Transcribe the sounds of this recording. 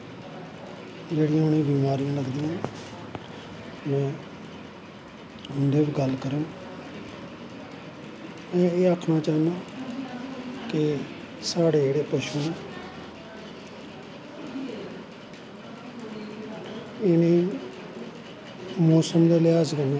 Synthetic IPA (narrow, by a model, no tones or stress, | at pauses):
d͡ʒeːɽɪjãːʊnĩːbiːmaːɾijãːləɡd̪iːãː | mɛ̃ː | ʊnd̪eːbiɡəlkəɾõː | mɛ̃ːeːəkʰnaːt͡ʃaːnd̪ãː | kɪ | saːɽeːeːɽeːpəʃuːnẽː | ɪnẽː | mɔːsəmd̪eːlɪaːzkəẽ